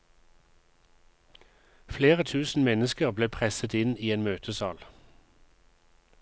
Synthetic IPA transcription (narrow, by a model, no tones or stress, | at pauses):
fleːʁət̪ʰʉːsn̩mɛnəskəʁbleːpʰʁɛsət̪ɪniːeːnmøːt̪ʰəsɑ̰ːl